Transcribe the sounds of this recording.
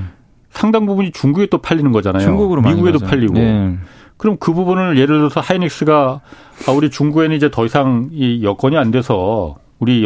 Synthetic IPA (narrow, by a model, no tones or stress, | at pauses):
sʰaŋdaŋbubuɲit͡ɕuŋɡuɡet͈opʰaʎːinɯnɡʌd͡ʑanajouɡmiɡuɡe̞dopʰaʎːiɡo | kɯɾʌmkɯbubunɯɭje̞ɾɯɭdʌsʰʌhainik̚s͈ɯɡa | auɾit͡ɕuŋɡuɡe̞nɯnid͡ʑe̞tʌisʰaŋijʌk͈ʌɲiandwe̞sʰʌ | uɾi